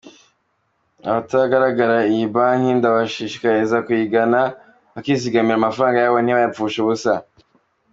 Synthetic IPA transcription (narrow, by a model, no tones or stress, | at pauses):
a̰βataaɡaɾaɡaɾaibanindaβaʃiʃi̥kajizakwiɡana | akiziɡamiɾamafaɾaːŋɡajawon̥iβajafuʃuβusa